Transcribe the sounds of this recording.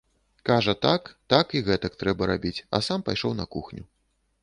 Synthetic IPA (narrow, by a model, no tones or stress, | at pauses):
kaʐɐt̪akt̪akiɣɛt̪ɐk̚t̪ɾɛbɐɾabʲit͡sʲɐ̰sampajʂɔwnɐkuxnʲu